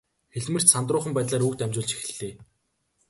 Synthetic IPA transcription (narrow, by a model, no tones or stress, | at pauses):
xeɮmɘ̆r̥t͡ɕsant̪rʊːχə̆mpæːt̪ɮaːɾukt̪æmʲt͡ɕʊːɮt͡ɕi̥x̆ɮeː